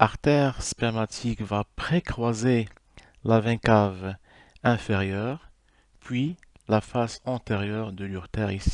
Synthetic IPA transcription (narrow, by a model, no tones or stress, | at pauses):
aʁt̪ɛʁspɛmat̪ʰikvapχekχwaze | lavɛ̃kav | ɛ̃feʁjœːʁ | pʰɥi | lafasɑ̃t̪eʁjœʁd̪əlyʁt̪ɛʁisi̥